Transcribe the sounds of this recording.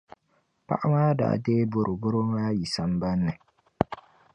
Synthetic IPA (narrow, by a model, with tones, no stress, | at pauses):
pa̰˦ʔa˦maː˦da̰ː˨deː˦bo˦ɾʔʊ˨bʊ˦ɾo˦maː˦ji˨sa˨m˦ba˦nːɨ˨